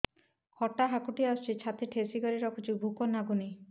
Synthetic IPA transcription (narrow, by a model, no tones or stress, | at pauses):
kʰɔʈaɦakuʈiast͡ʃit͡ʃʰat̪iʈʰesiɡɔɾiɾɔkʰut͡ʃʰibʱukɔnaɡuni